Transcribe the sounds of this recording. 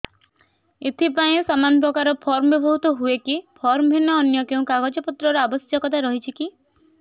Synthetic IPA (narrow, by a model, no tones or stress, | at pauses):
et̪ʰipaĩsamanɔp̬ɾɔkaɾɔpʰɔɾmɔbibʱɔɦut̪ɔɦuekipʰɔɾmɔbʱinːɔːnjɔkeũkaɡɔd͡ʒɔpɔt̪ɾɔɾɔabɔsjɔkɔt̪ʰaɾɔɦit͡ʃʰiki